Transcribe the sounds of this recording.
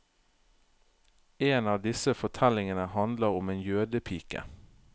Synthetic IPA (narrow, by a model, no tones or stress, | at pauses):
eːnɑːʋd̪ɪsəfɔt̪ʰɛlɪŋənəhɑnd̪ləʁʊmeːnjøːd̪əpʰiːkə̰